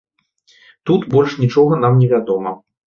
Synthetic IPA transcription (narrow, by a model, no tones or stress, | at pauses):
t̪ut̪bɔlʲʂnʲit͡ʂɔɣɐn̪amnʲɛvʲad̪ɔmɐ